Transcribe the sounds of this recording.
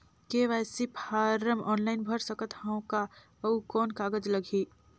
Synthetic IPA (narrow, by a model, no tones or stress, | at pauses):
keʋaːsipʰaːɾəmɔːnlaːɪnbʱəɾsəkət̪hãːõka | ɐukɔːnkaːɡəd͡ʒlɐɡʱiː